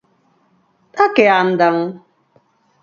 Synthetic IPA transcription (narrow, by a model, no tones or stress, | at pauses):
takɪan̩dam̩